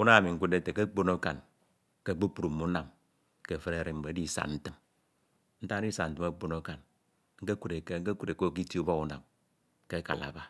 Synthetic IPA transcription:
u˦na˦˨mi˨ŋ̩˦ku˦de˦te˨ke˦k͡po˦no˦ka˨n | ke˦˨k͡po˦pu˨ɾu˨m̩ː˦u˦na˨m | ke˨fe˦ɾe˦˨ɾi˨m̩˨be˨˦di˦˨sa̰˨nn̩˦tɨ˦m | n̩˦ta˦i˦sa˨n̩˦tɨ˦ma˦k͡po˦no˦ka˨n | ŋ̩˦ke˦ku˦ɾe˨ke˦ŋ̩˦ke˦ku˦ɾe˨ko˦˨ki˦ti˦u˦bo˦u˦na̰˨m | ke˦ka̰˨la̰˨˦ba˦

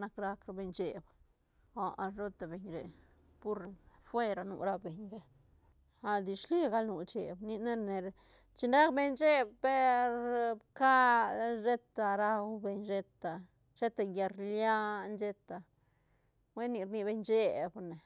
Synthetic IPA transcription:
na˧kɾa˦kɾe˧be˧ɲt͡ʃe˧b | a˨˧ʔa˧ʐo˦t̪a˨be˨ɲɾḛ˨ | pu˦ɾfwe˦ɾa˧nṵ˧ɾa˧be˨ɲɾe˨ | a˨d̪i˨ʃli˦ɡa˧lnu˧˨t͡ʃe˨bni˧ne˦ɾne˨ɾ | t͡ʃi˧nɾa˦kbe˧ɲt͡ʃe˦b̚pe˦ɾbka˦ʐe˦t̪a˧ɾa˦˧wbe˧ɲʃe˧t̪a˨ | ʃe˦t̪a˧ja˧ɾlja˦nd͡ʒe˧t̪a˧ | we˦ni˧ɾni˧be˧ɲt͡ʃe˦˧bne˨

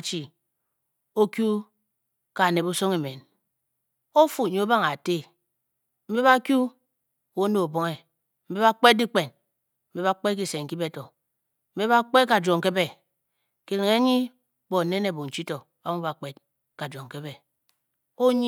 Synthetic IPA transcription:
t͡ʃi˨ | o˦kju˦ | ka˨ne˨bu˦so˦ŋe˨me˨n | o˦fu˨ɲi˨˦o˦ba˦ŋa˨te˦ | m̩˦be˦βa˦kju˦˨ | wo˨˦no˨o˨bo˦ŋe˨ | m̩˦be˦βa˦k͡pe˦di˦k͡pe˨n | m̩˦be˦βa˦k͡pe˦ki˦se˨ŋ̩˨ki˦be˦tɔ˨ | m̩˦be˦ba˦k͡pe˦ka˨d͡ʒo˨ŋke˦be˦˨ | ki˨li˨ŋe˨˦ɲi˦ | bo˨ne˦ne˨bo˨n̩˨t͡ʃi˦to˨ | ba˦mu˦ba˨k͡pe˦t | ka˨d͡ʒo˨ŋ˨ke˦be˦ | o˦ɲ˦

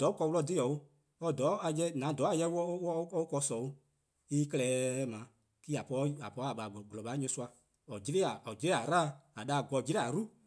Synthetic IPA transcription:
d̥ɔː˨˦kɔ˧wu˧lɔ˧˨di˦ɔ˨o˦ | ɔ˧dɔ˨˦a˨jɛ˦nã˨˦dɔː˨˦a˨jɛ˧˦wɔ˦wɔ˦ɔ˦kɔ˧˦sɔ˨o˧ | i˦kɛ˧lɛː˨˦mãː˨˦ | ki˦a˨pɔ˧˦a˨pɔː˧˦a˨ɓa˨ɡlɔ˨ɓa˨˦ɲĩ˧˦su˦˧a˧ | ɔ˨d͡ʒi˦ɾe˦a˨ɔ˨d͡ʒi˦ɾe˦˨a˨ɾaː˦a˨ɗa˧˦˨ɡɔ˧d͡ʒi˦ɾɛ˦a˨ɾu˦

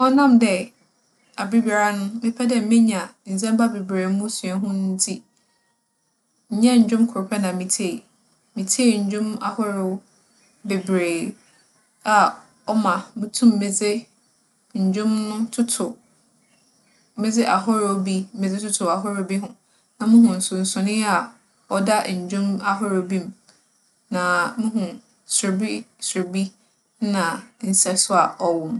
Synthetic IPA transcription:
ɔ˦nã˦˨mdɛ˨ | a˨bɾi˦ba˨ɾa˦nʊ̃˦mɪ̃˦pʰɛ˦dɛ˨˦mɪ̃˦ɲã˨n̩˨zɛ̃˦mba˦be˨bɾeː˨˦mʊ̃˦su˨ɛ˨ɦʊ̃˦n˦n̩˦tʰi˦ | ɲ̩˦ɲã˦ɲ̩˨d͡ʑᶣʊ̃˦mkʰʊ˨ɾpʰɛ˦nã˨mĩ˨tʰe˦˨ | mĩ˨tʰe˦˨ɲ̩˨d͡ʑᶣʊ̃˦ma̰˨hɔ˦ɾo˨˦ | be˨bɾeː˨ | a˨ | ɔ˦mã˨mɪ̃˦tʰũ˦mː˨ɪ̃˨d͡zɪ˦ | ɲ̩˨d͡ʑʊ̃˦m̃˦tʰʊ˦tʰʊ˨ | mɪ˦d͡zɪ˦ʔa˨ɦʊ˦ɾo˦bi˦m̩˦mɪ˨d͡zɪ˦tʰʊ˦tʰʊ˨a˨ɦʊ˦ɾo˦bi˦ɦʊ̃˨ | nã˨mʊ̃˦ɦʊ̃˨n̩˨sʊ˨n̩˨sʊ̃˨nɪ̃˦a˨ | ɔ˨da˦˨ɲ̩˨d͡ʑᶣʊ̃˦ma˦ɦʊ˦ɾo˨˦bi˦m˦ | nã˨mʊ̃˦ɦʊ̃˨ | sʊ˨ɾbi˦sʊ˨ɾbi˦ | nã˨n̩˨sɛ˦sʊ˦a˨ɔ˨wɔ̃˨m˦

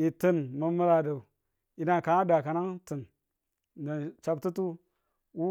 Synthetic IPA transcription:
i˨tə˨nmə˨mə˦la˨da˨ | i˨na˨ka˨a˦da˨ka˨na˦ŋtɨ˨n | na˨t͡ʃa˦b̚tu˦tu˦ | wu˦

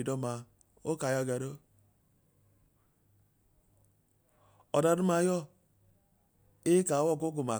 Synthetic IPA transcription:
i˨dɔ˦ma˨ | o˦ka˨ja˦˨ɡa˨ɾo˦ | ɔ˨da˦du˦ma˦jɔ˦ | e˦ka˨˦wɔ˦˨ko˦ɡu˨ma˨

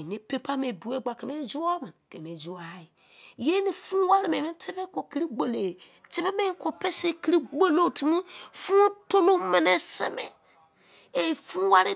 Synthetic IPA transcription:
e˨ne˦pe˦pa˦me˨bu˨e˦ɡ͡ba˨ke˨me˦d͡ʒu˦o˦ma˨nke˨me˨d͡ʒu˦a˨˦i˨ | je˦ni˨fũ˦wa˦ɾi˦me˨me˦te˦be˦ko˨ki˦ɾi˦ɡ͡bo˨le˨ | te˦be˦me˦ŋ˦ko˨pe˦se˦ki˦ɾi˦ɡ͡bo˦lo˦ti˨˦mi˦fũ˦to˦lo˦me˨ne˦se˦mḛ˨ | e˨fũ˦wa˦ɾi˦

